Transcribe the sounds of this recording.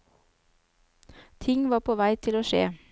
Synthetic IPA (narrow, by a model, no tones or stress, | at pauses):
t̪ʰɪŋʋɑːpʰoːʋæɪt̪ʰɪloːʃḛː